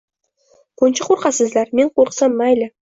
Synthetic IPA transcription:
kʰont͡ʃɪqʰoɾqɑsəzlɑɾmeɴqʰoɾqə̥sɑnmajlɪ

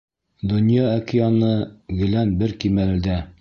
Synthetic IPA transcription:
d̪ŏnjɑːkʲɪjɑnɤɡɘ̆lænbɘɾkimælɘ̆d̪æ

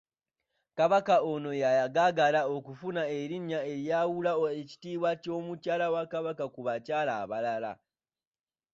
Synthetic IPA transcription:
kaβakaono̞jajaɡaɡalao̞kufunae̞ɾiɲːae̞ɾjawulaoeci̥tiːβwaco̞ːmucaːlawakaβakakuβacaːlaːβalala̰

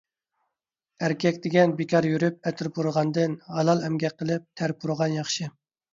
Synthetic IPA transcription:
æɾkʲʰɛkʲd̪ɪɡʲɛnbekʲʰɑɾjyɾyp̚ɛt̪ʰɪɾbuɾəʁɑnd̪ɨnhɑlˠɑlˠɛmɡʲɛqʰːəlˠɨp̚t̪ʰæɾpʰuɾəʁɑnjɑχʃɨ

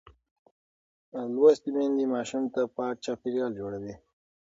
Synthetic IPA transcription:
lwast̪imend̪imɑʃint̪apɑʈ̚t͡ʃɑpiɾjɑːld͡ʒoɽawi

